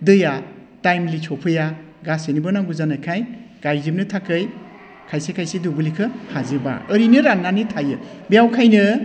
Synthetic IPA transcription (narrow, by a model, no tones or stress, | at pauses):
dɯja | tajmlit͡ʃʰɔpʰɯja | ɡasenibɯnaŋɡuzanajkʰajɡ̥ajzip̚nɯtʰakɯj | kʰajsekʰajsedubulikʰɯhazɯba̰əɾinɯɾanːanitʰajɯbijawkʰajnɯ